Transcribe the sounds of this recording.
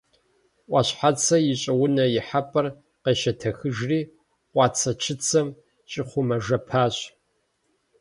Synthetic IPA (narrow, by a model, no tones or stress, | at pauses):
ʔʷɑɕħat͡sʰɐjɪɕʼɐwʊnɐjɪħapʼɐr | qeːʃɐtʰɐxɨʒriː | qʷɑːt͡sʰɐt͡ʃʰɪt͡sʰɐm | ɕʼɪχʷʊmɐʒɐpʰaːɕ